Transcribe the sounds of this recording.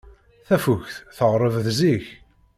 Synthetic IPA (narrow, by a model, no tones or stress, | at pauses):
θæfuʝθθəʁɾˤəvðziç